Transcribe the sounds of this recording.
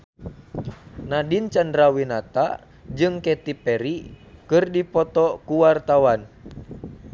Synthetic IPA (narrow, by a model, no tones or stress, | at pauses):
nadint͡ʃandɾawinat̪a̰ | d͡ʒɨŋkɛt̪ipɛɾikɨrdipɔt̪ɔkuwart̪awan